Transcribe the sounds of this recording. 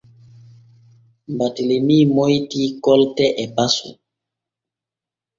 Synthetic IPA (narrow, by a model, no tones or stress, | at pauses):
mbatilemiːmɔjtikɔltɛʔɛpasṵ